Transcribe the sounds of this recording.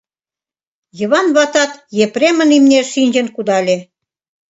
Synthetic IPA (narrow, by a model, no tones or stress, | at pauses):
jə̆βɑnβɑt̪ɑt̪jepremə̆nimnʲeʃinʲd͡ʑĕnkud̪ɑlʲe